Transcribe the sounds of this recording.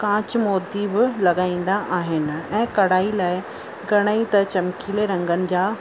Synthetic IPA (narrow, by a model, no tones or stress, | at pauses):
kãːt͡ɕmɔːd̪ibɪlɐɠaːĩːn̆d̪aʔaːɦɪnɪ̆ɛ̃ːkɐɽaːilaːɪ | ɡʱɐɽ̃aːit̪ɐt͡ɕɐmkʰiːleɾɐ̃ŋɡənɪ̆d͡ʑaː